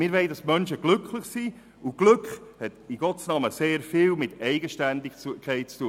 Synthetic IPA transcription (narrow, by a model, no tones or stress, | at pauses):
mɪɾʋɛɪdɑsmœnʃəɡ̥lʏkʰlɪχsiː | ʊɡ̥lʏkχhɛtiɡ̥ɔtsnɑməseːɾfɪːlmɪtɛɪɡəʃtændɪukʰɛɪt̚t͡stuː